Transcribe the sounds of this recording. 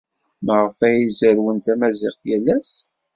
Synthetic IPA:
məʁəfæjizəɾwənt̪æmæzɪqjælːæs

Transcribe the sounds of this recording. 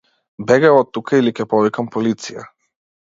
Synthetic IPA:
bɛɡɛɔt̪ːukailikʲɛpɔvikampɔlit̪sija̰

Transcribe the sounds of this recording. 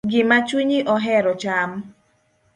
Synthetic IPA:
ɡɪmat͡ʃwiɲiʔɔɦɛɾɔt͡ʃam

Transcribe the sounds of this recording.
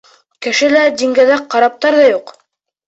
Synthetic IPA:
kɘ̆ʃɘlæd̪iŋɡæðæqqːɑɾɑp̚t̪ɑɾðɑjuq

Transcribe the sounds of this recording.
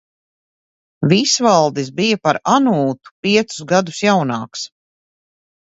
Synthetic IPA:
visvalˠd̪is̬bijapaɾanuːt̪u̥piɛt̪su̥zɡad̪usjawnaːks

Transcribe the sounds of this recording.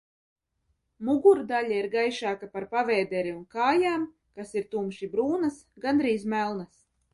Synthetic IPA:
muɡuɾd̪alʲaiɾɡajʃaːkapaɾpavɛːd̪ɛɾiunkaːjaːm | kasiɾt̪umʃibɾuːnasɡand̪ɾiːzmælˠnas

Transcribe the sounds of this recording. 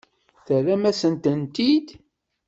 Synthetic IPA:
θəɾæmæsənt̪ənt̪id̪

